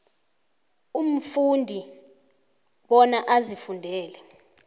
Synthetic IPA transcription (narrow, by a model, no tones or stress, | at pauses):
um̩fundʱi | ɓɔnaʔazifundʱɛːlɛ